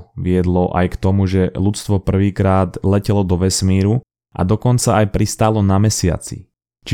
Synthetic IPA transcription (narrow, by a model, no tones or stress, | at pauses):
ʋɪɛd̪lɔʔa̰jkt̪ɔmuʒɛlut͡st̪ʋɔpr̩ʋiːkɾaːd̪lɛcɛlɔd̪ɔʋɛsmiːɾu | ʔa̰d̪ɔkɔnt͡saajpɾist̪aːlɔnamɛsɪa̰t͡sḭ | t͡ʃi